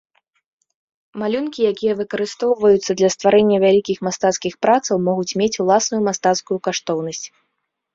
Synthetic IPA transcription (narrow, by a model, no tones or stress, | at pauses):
malʲunkʲijakʲijɐvɨkɐɾɨst̪ɔwvɐjut̪sːɐd̪lʲɐst̪vaɾɛnʲːɐvʲalʲikʲixmast̪at̪skʲixpɾat̪sɐwmɔɣut͡sʲmʲet͡sʲulˠasnujumast̪at̪skujukaʂt̪ɔwnɐsʲt͡sʲ